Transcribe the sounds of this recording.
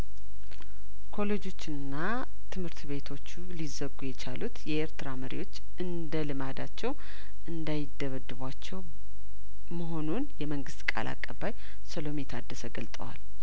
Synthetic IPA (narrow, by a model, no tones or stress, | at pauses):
kʰo̞lo̞d͡ʒo̞t͡ʃːɨnːa | t̪ʰɨmhɨɾt̪βe̞t̪ʰo̞t͡ʃːulizəɡujɛt͡ʃʰalut̪jɛʔeɾt̪ʰɨɾaməɾḭwo̞t͡ʃː | ʔɨnd̪əlɨmad̪at͡ʃːɛw | ʔɨnd̪ajɪd̪ːəβəd̪ːɨβʷat͡ʃːɛw | məɦo̞nunjɛməŋɡɨst̪kʼa̰la̰kʼːəbːaj | səlo̞met̪ʰad̪ːəsəɡəlt̪ʼə̰wa̰l